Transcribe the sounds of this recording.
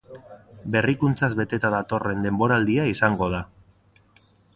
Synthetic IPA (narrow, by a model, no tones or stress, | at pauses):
be̞rikunt͡sazβe̞t̪e̞t̪aðat̪o̞re̞nd̪e̞mbo̞ɾald̪iaisaŋɡo̞ða